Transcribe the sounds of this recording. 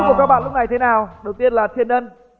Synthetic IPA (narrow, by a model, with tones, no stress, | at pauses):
ku˨˩əkaː˦˥k̚ɓa̰ː˧˨lʊ˥k͡p̚na˨˩˧t̪ʰe˨˦naː˨˩wɗə˨˩wt̪i˧ənlaː˨˩t̪ʰi˨˩ənɗə˧n